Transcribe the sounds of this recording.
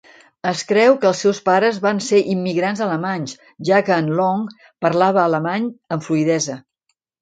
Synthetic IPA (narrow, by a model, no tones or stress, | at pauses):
əskɾɛwkəːlˠsɛwspaɾəzβanseʔimːiɣɾanzələmaɲs | ʒakəːnlɔŋ | pəɾlaβ̞əːləmaɲəɱfluiðɛzə